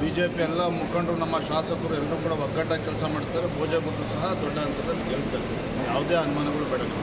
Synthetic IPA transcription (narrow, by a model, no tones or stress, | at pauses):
biːd͡ʒeːpiɛlːɐmukʰɐɳɖɾunɐmːɐʃaːsɐkɐɾuɛlɾuːkuːɽɐʋɐɡːɐʈːɐkɛlsɐmaːɽst̪ːaːɾetbʱoːd͡ʒeɡud̪ːusɐɦɐd̪ɔɭːɐɐnt̪ɾɐd̪ɐlːikeːɭt̪ːaːɾ | jaːʋd̪eːɐnumaːnɐɡɐɭubɛːɽɐlɐ